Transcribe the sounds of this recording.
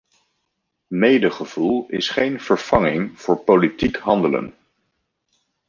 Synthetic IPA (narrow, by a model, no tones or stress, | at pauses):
mejdəχəv̥ulˠɪ̰sχejnv̥əɹv̥ɑŋɪŋv̥ʊːɹpolitikɦɑndələ̰n